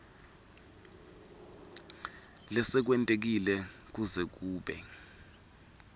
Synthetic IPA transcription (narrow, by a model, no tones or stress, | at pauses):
lɛsɛk̬wɛntʼek̬ilɛk̬uzɛk̬uːɓɛ̰